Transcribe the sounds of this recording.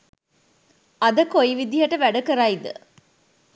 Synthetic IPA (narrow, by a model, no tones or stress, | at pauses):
ɐd̪əkojiʋid̪iɦɐʈəʋæɖɐkəɾaid̪ə̰